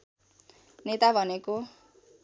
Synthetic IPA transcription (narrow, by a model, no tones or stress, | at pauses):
net̪abʱʌneko